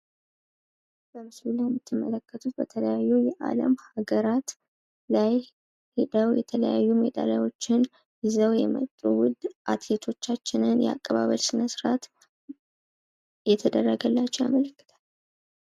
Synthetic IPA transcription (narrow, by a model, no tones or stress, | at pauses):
bəmɨslulajɛmːɨt̪ʰːɨmːələkːət̪ʰut̪̚bət̪ʰələjajːujɛʔa̰lə̰mhaɡəɾat̪ | laj | hed̪əwjɛt̪ʰələjajːumed̪a̰lajwo̞t͡ʃːɪn | zəwjɛmə̰t̪ʼːuwʊd̪ːʔat̪let̪ʰo̞t͡ʃːat͡ʃːɪnɨnjɛa̰kʼːəβaβəlsɨnəsɾat̪ | jɛt̪ʰəd̪ərːəɡəlːat͡ʃːɛwja̰mələkːɨ̥t̪ʰal